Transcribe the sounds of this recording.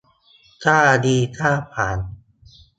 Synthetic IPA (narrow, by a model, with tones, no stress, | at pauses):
kʰaː˥˩diː˧kʰaː˥˩pʰaː˩˦n